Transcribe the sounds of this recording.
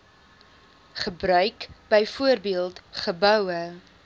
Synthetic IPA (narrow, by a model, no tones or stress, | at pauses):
χəbrœɥkb̥əjfuərbiəlˠtχəbœwə